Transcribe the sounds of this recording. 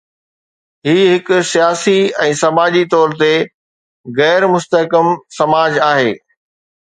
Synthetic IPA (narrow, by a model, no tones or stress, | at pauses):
ɦiːɦɪkʊsijaːsiɛ̃ːsɐmaːd͡ʑit̪ɔːɾt̪e | ɣɛːɾmʊst̪əɦkəmsɐmaːd͡ʑaːɦeː